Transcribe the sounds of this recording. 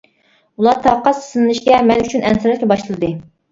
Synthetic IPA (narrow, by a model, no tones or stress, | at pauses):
ulˠɑt̪ʰɑːqɑssɨnɨnˠɨʃɡʲɛmɛnyt͡ʃʰynɛnsɨɾɨkʲɛbɑʃlɨlˠɨd̪ɨ